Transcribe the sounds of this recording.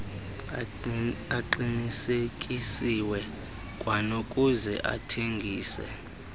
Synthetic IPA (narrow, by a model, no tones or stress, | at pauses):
aǃinisekʼisiwɛ | kʼwanokʼuzɛ̰ʔa̰tʰeŋɡʱiːsɛ̰